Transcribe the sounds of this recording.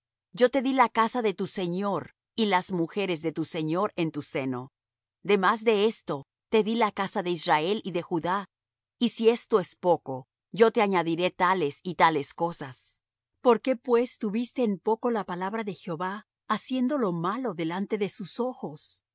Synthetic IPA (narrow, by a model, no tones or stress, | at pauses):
ɟ͡ʝo̞t̪e̞ðilakasaðe̞t̪use̞ɲo̞ɾ | ilazmuxe̞ɾe̞zðe̞t̪use̞ɲo̞ɾent̪use̞no̞ | d̪e̞mazðe̞est̪o̞ | t̪e̞ðilakasaðe̞izrae̞liðe̞xuða | isie̞st̪o̞e̞spo̞ko̞ | ʝo̞t̪e̞aɲaðiɾe̞t̪ale̞sit̪ale̞sko̞sas | po̞ɾke̞pwe̞st̪uβist̪e̞ːnpo̞ko̞lapalaβɾaðe̞xjo̞βaː | sje̞nd̪o̞lo̞malo̞ðe̞lant̪e̞ðe̞suso̞xo̞s